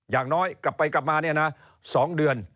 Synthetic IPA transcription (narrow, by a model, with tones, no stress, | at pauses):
jaː˨˩ŋnɔː˦˥jkla˨˩pːa˧jkla˨˩p̚maː˧ni˥˩əna˦˥ | sɔː˨˦ŋɗɯ˨˩ən